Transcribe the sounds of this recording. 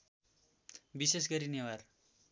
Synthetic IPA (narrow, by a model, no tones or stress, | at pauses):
bisesɡʌɾinewar